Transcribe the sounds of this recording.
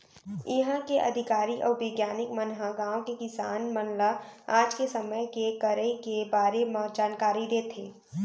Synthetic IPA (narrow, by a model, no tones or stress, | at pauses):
ɪɦãkeʔɐ̰d̪ʱɪkaːɾiʔɔːɾʋeːɡjaːnɪkmənɦãɡãːõkekɪsaːnmənlaaːd͡ʒkesɐməjkekəɾəikebaːɾemãd͡ʒaːnkaːɾid̪eːt̪ʰeː